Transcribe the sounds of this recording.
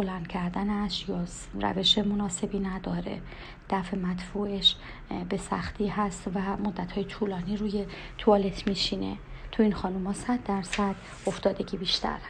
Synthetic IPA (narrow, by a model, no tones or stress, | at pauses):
bolænd̪̥cʰæɾd̪ænæʃjɒː | ræ̰ve̞ʃemo̞nɒːse̞biːnæd̪ɒːɾe̞̰ | d̪̥æfemæt̪fuːʔeʃ | be̞sæ̰xt̪ʰiːhæst̪væmo̞d̪ːæt̪hɒːjet̪ʰuːlɒːniːɾuːje̞ | t̪ʰuɒːle̞t̪ʰmiːʃiːne̞̰t̪ʰuiːnxɒːnumɒːsæd̪ːæɾsæd̪̥ | o̞ft̪ɒːd̪e̞ɟʲiːbiːʃt̪ʰæ̰ɾh